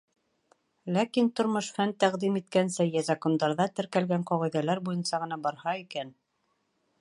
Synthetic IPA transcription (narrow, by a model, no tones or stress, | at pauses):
lækint̪ŏɾmɤʃfænt̪æʁd̪imit̪̚kænsæjæzɑkond̪ɑɾðɑt̪ɘ̆ɾkælɡæɴqɑʁĭðælæɾbujɤ̆nsɑʁɤ̆nɑbɑɾhɑikæn